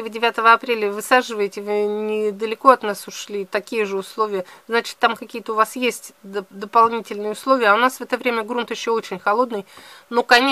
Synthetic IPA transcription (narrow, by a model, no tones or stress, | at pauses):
vɨdʲɪvʲat̪əvəɐpɾʲelʲəvɨsaʐɨvəjɪtʲɪvɨnʲɪd̪əlʲɪko̞ɐt̪nasʊʂlʲit̪ɐkʲijəʐɨʊslˠo̞vʲɪjəznat͡ɕɪ̥t̪ːamkɐkʲijət̪əʊvasjesʲtʲd̪d̪əpɐlˠnʲitʲɪlʲnɨjəʊslˠo̞vʲɪjəɐʊnasvɛt̪əvɾʲemʲəɡɾunt̪jɪɕːoo̞t͡ɕɪnʲxɐlˠo̞d̪nɨjnokɐnʲe